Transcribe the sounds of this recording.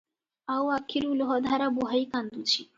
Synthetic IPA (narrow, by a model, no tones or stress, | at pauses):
awakʰiɾulɦɔd̪ʱaɾabuɦaikand̪ut͡ɕʰi